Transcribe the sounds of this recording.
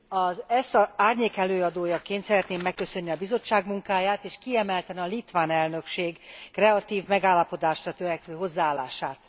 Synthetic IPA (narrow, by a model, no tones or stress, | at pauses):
ɒzɛsɒaːrɲeːkɛløːɒd̪oːjɒkent̪sɛɾɛt̪neːmːɛkːø̞sø̞nːiɒbizo̞t͡ʃːaːɡmuŋkaːjaːt̪eːʃkiɛmɛlt̪ɛnɒlit̪ʋaːnɛlnø̞kʃeːɡkːrɛɒt̪iːvmɛɡaːlːɒpo̞d̪aːʃrɒt̪øɾɛktøːɦo̞zːaːlːa̰ːʃaːt̪